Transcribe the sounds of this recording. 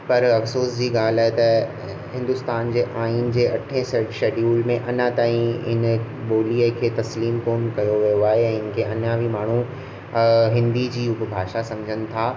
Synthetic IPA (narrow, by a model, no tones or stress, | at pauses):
pɐɾɐfsoːsd͡ʑiːɡaːlaːɦet̪ɐ | ɦɪ̃nd̪ʊst̪aːnd͡ʑeːʔaːiːnd͡ʑeːɐʈʰẽseʃeːɖjuːlmẽʔɐnat̪aːĩɪ̰n | ɓoːliəkʰeːt̪ɐsliːmkoːnkɐjoʋijoaːɦeɛ̃ːɪnɪ̆kʰeʔɐnãʋimaːɳ̤ũ | ɦɪ̃nd̪id͡ʑiːʊbbʱaːʃasɐ̃md͡ʑʱənɪ̆t̪ʰaː